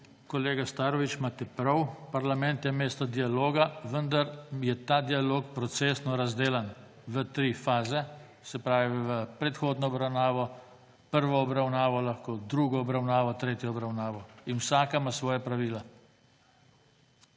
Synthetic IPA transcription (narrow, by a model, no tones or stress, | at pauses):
kɔleːɡast̪aːɾɔʋit͡ʃmaːt̪ɛpɾɐwpaɾlamɛ̃nt̪jɛmeːst̪ɔd̪ialoːɡaʋənd̪aɾjɛt̪aːd̪ialoːkpɾɔt̪seːsnɔɾazd̪eːlan | ʋət̪ɾiːfaːzɛ | sɛpɾaːʋiʋəpɾɛt̪xoːd̪nɔːbɾawnaːʋɔ | pəɾʋɔɔbɾawnaːʋɔlaxkod̪ɾuɡɔːbɾawnaːʋɔt̪ɾeːt̪jɔɔbɾawnaːʋɔinwsaːkamasʋɔːjapɾaʋiːla